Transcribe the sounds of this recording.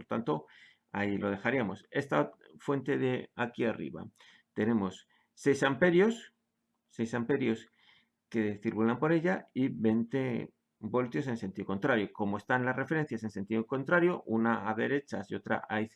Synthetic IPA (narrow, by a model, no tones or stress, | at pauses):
poɾt̪a̰nt̪o̞ | ailo̞ð̞e̞xaɾiamo̞se̞st̪a | fwe̞nt̪e̞ðe̞akiarḭβa̰ | t̪e̞nẽ̞mo̞sː | e̞jsampe̞ɾjo̞sː | e̞jsampe̞ɾjo̞s | ke̞θiɾkulampo̞ɾe̞ʎaiβe̞nt̪e̞ | bo̞lt̪jo̞s̬ense̞nt̪iðokont̪ɾaɾjo̞ko̞moe̞st̪anlasre̞fe̞ɾe̞n̟θjase̞nse̞nt̪iðoko̞nt̪ɾaɾjo̞ʔunaaðe̞ɾe̞t͡ʃa̰sio̞t̪ɾa̰ʔaj